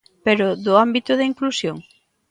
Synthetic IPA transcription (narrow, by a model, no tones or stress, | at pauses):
peɾʊðʊambit̪ʊðɐiŋklusjoŋ